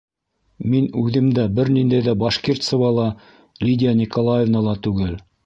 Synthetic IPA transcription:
minʉðɘ̆md̪æbɘɾnind̪æjðæbɑʃkirt̪sɤ̆vɑlˠɑ | lʲidʲɪjanʲikolˠajevnɑlˠɑt̪ʉɡɘl

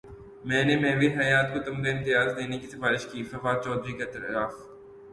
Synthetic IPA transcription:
mɛ̃ːnemɛ̃ːʋiɦɐjaːt̪kot̪ɐmkaɪ̃nt̪ɪjaːzd̪eːnekisɐfaːɾɪʃkiːsɐfaːt͡ʃɔːd̪ɾiket̪ɐɾaːf

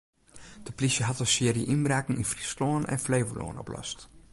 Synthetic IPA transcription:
d̥əplisjəɦɑtəsɪəɾjəʔinbraːkɪŋinfrisloənɛ̰nfleːvəlo̰ːənɔ̰plɔ̰st

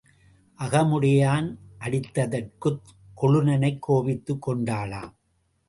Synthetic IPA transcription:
ʔɐɣɐmʊɽɪjaːnʔɐɽɪt̪ːɐðɐrkɯt̪ | kɔɭɯnɐnɐɪkʰːoːʋɪt̪ːɯkːɔɳɖaːɭa̰ːm

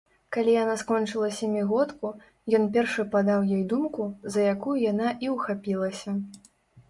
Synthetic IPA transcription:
kalʲijanaskɔnt͡ʂɨlˠɐsʲɐmʲiɣɔt̪ku | jɔnpʲɛrʂɨpad̪awjɔjd̪umkuzɐjakujujan̪aʔiwxapʲilˠɐsʲɐ

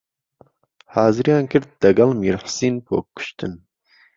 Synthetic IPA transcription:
hɑːzɨɾjaːnkɨɾt̪̚d̪ɐɡɐlmiɾħsiːnpʰo̰ːkːʊ̥ʃt̪ɨn

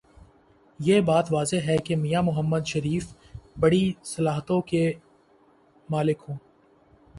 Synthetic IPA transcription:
jeːbaːt̪ʋaːzeɦɛkemijamʊɦəmːəd̪ʃɐɾiːf | bɐɽisɐlaːɦət̪õke | maːlɪkɦõː

